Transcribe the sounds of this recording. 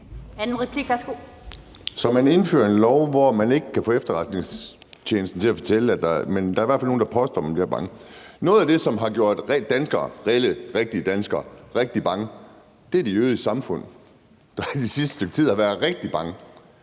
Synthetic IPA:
ænn̩ʁɛpʰliɡ̥ʋæsɡ̥o | sɒ̽mæne̝nfø̰ːɐe̝nlɒʊʋɒmæne̝ɡ̥əkʰæfɔ̰̽ːefd̥ɐʁɑ̈d̥ne̝ŋst͡ɕʰeːnəsd̥n̩t͡sʰe̝læfɒt͡sʰel̰əæ̥mend̥ɑ̈ɐiʋæɐfæl̰noːn̩d̥ɑ̈pʰɒ̽sd̥ɒ̰ːmænb̥liɐb̥ɑ̈ŋənɔ̽ːð̩ˠæd̥e̝sɒ̽mɦɑ̈ɡ̥jo̝ɐ̰d̥ʁ̥ːænsɡ̥ɐːʁeləʁeɡ̥̚d̥iəd̥ænsɡ̥ɐːʁeɡ̥̚d̥ib̥ɑ̈ŋə | d̥e̝æɐd̥eøːðˠisɑ̈mfɔ̽n̰ | d̥ɑd̥isisd̥ə̥støɡ̥̚t͡sʰið̰ˠhɑʋæːɐðˠʁeɡ̥̚d̥ib̥ɑ̈ŋə

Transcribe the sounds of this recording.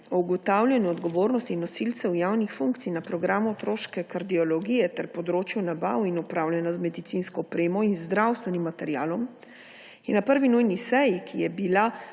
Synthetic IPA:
ɔuɡɔt̪awlʲjanjuɔd̪ɡɔʋoːɾnɔst̪iːnːɔsilt̪sɛwjaːwnixfuŋkt̪sijnapɾɔɡɾaːmuɔt̪ɾoːʃkɛkaɾd̪iɔlɔɡijɛt̪ɛɾpɔd̪ɾoːt͡ʃjunaba̰winupɾawlʲjɛnɔt̪mɛd̪it̪sinskɔɔpɾeːmɔinzd̪ɾawst̪ʋɛnimːat̪ɛɾjaːlɔm | iɛnapəɾʋinujnisɛjikʰijɛbila

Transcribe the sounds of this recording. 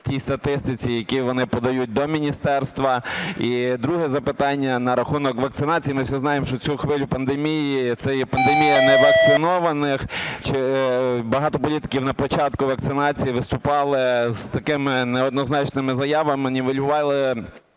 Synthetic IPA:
tʲist̪ɐt̪ɪst̪ɪt͡sʲijɐkʲiʋɔnɪpɔd̪ɐjut̚ʲd̪ɔmʲinʲist̪ɛrst̪ʋɐid̪ɾuɦɛzɐpɪt̪ɑnʲːɐnɐɾɐxunɔkʋɐkt̪sɪnɑt͡sʲijimɪwsʲiznɑjemʃt͡ʃɔt͡sʲuxʋɪlʲʊpɐnd̪emʲijit̪sɛjɛpɐnd̪emʲijɐnɛʋɐk̚t̪sɪnɔʋɐnɪxt͡ʃɪbɐɦɑt̪ɔpɔlʲit̪ɪ̥kʲiwnɐpɔt͡ʃɑt̪kʊʋɐk̚t̪sɪnɑt͡sʲijiʋɪst̪ʊpɑlˠɪz̥t̪ɐkɪmɪnɛɔd̪nɔznɑt͡ʃnɪmɪzɐjɑʋɐmɪnʲiʋɪlʲʊʋɑlˠɪ

